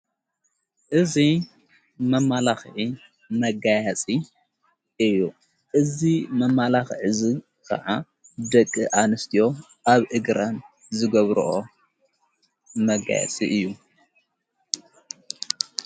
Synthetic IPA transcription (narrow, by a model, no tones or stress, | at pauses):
ʔɨzi | mɐmːalaxʕi | mɐɡajat͡sʼi | ʔɨjːu | ʔɨzimɐmːalaxʕɨzi | kʰɐ̰ʕa | d̪ɐkʼːiʔanɨst̪ʰijo̞ | ʔaβʔɨɡɾɐn | zɨɡɐβɾṵʔo̰ | mɐɡa̰ja̰t͡sʼḭʔɨjːu